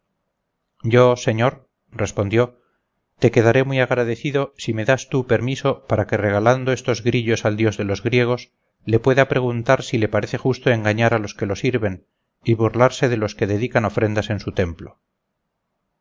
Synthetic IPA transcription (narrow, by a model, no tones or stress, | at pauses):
ɟ͡ʝose̞ɲo̞ɾ | re̞spond̪jo̞ | t̪e̞ke̞ðaɾe̞muijaɣɾaðe̞θiðo̞sime̞ðast̪upe̞ɾmiso̞paɾakere̞ɣ̞aland̪o̞e̞st̪o̞zɣɾiʎo̞sald̪jo̞zðe̞lo̞zɣɾje̞ɣ̞o̞s | le̞pwe̞ðapɾe̞ɣ̞unt̪aɾsile̞paɾe̞θe̞xust̪oe̞ŋɡaɲaɾalo̞ske̞lo̞siɾβe̞n | iβuɾlaɾse̞ðe̞lo̞ske̞ðe̞ðikano̞fɾe̞nd̪ase̞nsut̪e̞mplo̞